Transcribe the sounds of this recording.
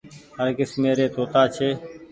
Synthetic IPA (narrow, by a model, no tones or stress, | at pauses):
ɦəɾkɪsmeːɾeːt̪ʰoːt̪aːt͡ʃʰeː